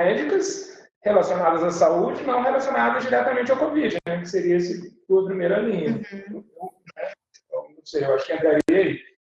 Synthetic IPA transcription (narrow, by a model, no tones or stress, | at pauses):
mɛd͡ʒikɐs | helasionad̪ɐzasaud͡ʒɪnɐ̃w̃ɦelasionad̪ɐzd͡ʒiɾɛt̪ɐmẽnt͡ʃɐwkovid͡ʒɪnɛkɪ̥seɾiɐesɪt̪uɐpɾimejɾɐlĩɲɐ̃t̪ɐ̃nɛ̃ | t̪ɐ̃w̃nɐ̃w̃sejewaʃʊ̥kɪẽnt̪ɾaɾiɐai